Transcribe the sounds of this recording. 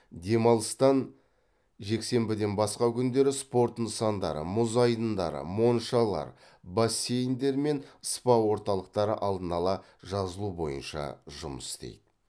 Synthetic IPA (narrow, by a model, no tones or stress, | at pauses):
d̪e̞mɑlˠəst̪ɑn | ʒe̞kse̞mbɪd̪e̞nbɑsqɑkʲʰʏnd̪e̞ɾɪspo̞ɾt̪nəsɑnd̪ɑɾə̰mʊzɑjd̪ənd̪ɑɾə̰mo̞nʃɑlˠɑ̰ɾ | basʲːe̞jnd̪e̞ɾme̞nəspɑwo̞ɾt̪ɑlˠəq̚t̪ɑɾə̰ʔɑlˠd̪ənɑlˠɑ | ʒɑzəlˠubo̞̰jənʃɑ̰ʒʊməsɪst̪ḛjd̪̥ɪ